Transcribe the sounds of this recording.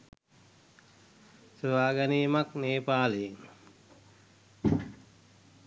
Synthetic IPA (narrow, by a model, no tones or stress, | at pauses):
səʋaːɡanijmakneːpaːlejiŋ